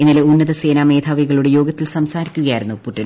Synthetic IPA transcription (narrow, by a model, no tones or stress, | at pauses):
enːileunːɐðɐse̞ːnaːme̞ːd̪ʱʰaːʋiɣɐɭuɽe̞jo̞ːɡɐt̪ːilsɐmsaːɾikʲːuɣɐjaːjiɾunːupuʈːɐl